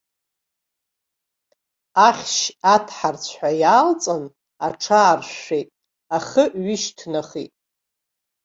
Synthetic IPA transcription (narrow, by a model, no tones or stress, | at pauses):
aχʲʃatʰħart͡sʷʰħʷajaːlt͡sʼɨn | a̰ʈ͡ʂʰaːrʃʷejtʼ | aχəɥɪʃtʰnaχḭtʼ